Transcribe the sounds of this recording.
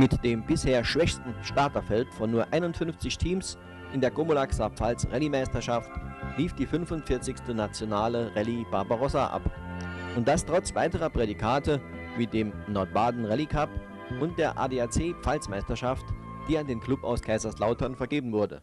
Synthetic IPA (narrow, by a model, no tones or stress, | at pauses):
mɪtd̥eːmbɪsheːɐʃv̥ɛçstn̩ʃtaɐtɐfɛltfɔnːuːɐʔaɪnʊntfʏnft͡sɪçtʰiːms | ʔɪndeːɐɡomolaksapp͡falsʁɛlimaɪstɐʃaftliːfd̥iːfʏnfʊntfɪɐt͡sɪçstənat͡sjonaːləʁɛlib̥aɐbaʁɔsaʔa̰pʔʊnt̚d̥astʁ̥ɔt͡sv̥aɪtəʁɐpʁ̥edikʰaːtə | viːdeːmnɔɐt̚b̥aːdn̩ʁɛlikʰap | ʔʊnt̚d̥eːɐʔa̰ːdeːat͡seːpp͡falsmaɪstɐʃaft | d̥iːandeːnkʰl̥ʊpa̰ʊskʰaɪzaslaʊtɐnfɛɐɡeːbm̩vʊɐdə̰